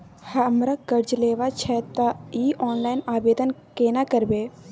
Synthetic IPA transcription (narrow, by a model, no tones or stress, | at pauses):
hɐmɾakəɾd͡ʒleːʋat͡ʃʰɛt̪aiːɔːnlaɪnaːbeːd̪ənkeːnakəɾbeː